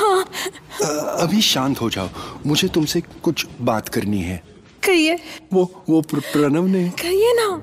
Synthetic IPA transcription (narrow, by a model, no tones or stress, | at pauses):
hãː | ɐbʱiʃãːnt̪ɦod͡ʒa̰ːomʊd͡ʒʱet̪ʊmsekʊt͡ʃʰbaːt̪kɐɾniɦɛː | kɐɾieːʋoʋoppɾɐnə̃ʋnẽkɐɾiena